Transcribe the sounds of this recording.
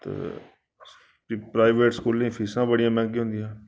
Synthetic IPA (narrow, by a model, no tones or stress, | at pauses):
t̪ḛː | ipɾaːɪʋeːʈskuːlːẽːpʰiːsãːbəɽɪjãːmɛ̃ːŋɡiɦõnd̪ijãː